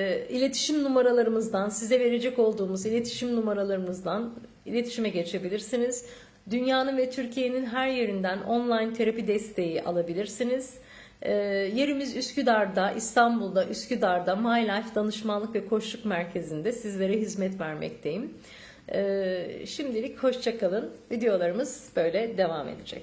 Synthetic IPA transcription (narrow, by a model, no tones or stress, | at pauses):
ilʲe̞t̪ʰi̥ʃimnumaɾalˠaɾɯmɯzd̪ansizɛve̞ɾe̞d͡ʒɛco̞lˠd̪uːmuzilʲe̞t̪ʰi̥ʃimnumaɾalˠaɾɯmɯzd̪an | ilʲe̞t̪ʰi̥ʃimɛɟe̞t͡ʃʰe̞bilʲiɾsiniz̥ | d̪ynjaːnɯnvɛt̪ʰyɾcʰije̞ninɦæɾje̞ɾind̪æno̞̰nlˠajnt̪ʰeɾapid̪ɛst̪ʰe̞jiʔa̰lˠabilʲiɾsiniz̥ | ɛːje̞ɾimizyscyd̪aɾd̪aʔist̪ʰanbulˠd̪aʔyscyd̪aɾd̪amajlʲajfd̪anɯʃmanlˠɯkvɛkʰo̞ʃlˠukmæɾcʰe̞zind̪ɛsizlʲe̞ɾɛɦizmɛt̪væɾmɛ̰cd̪ʰe̞jimː | ʃimd̪ilʲicho̞ʃt͡ʃʰakʰalˠɯnvid̪ejo̞lˠaɾɯmɯzb̥ø̞jlʲɛd̪e̞vamḛd̪ed͡ʒɛ̰c